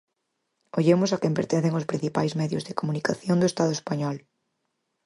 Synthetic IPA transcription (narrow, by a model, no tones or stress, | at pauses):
oʎemʊsɐkɛ̃mpeɾt̪ẽn̟θeŋospɾĩn̟θipajzmɛðjʊzðɪkomunikaθjoŋd̪ʊest̪aðʊespaɲɔl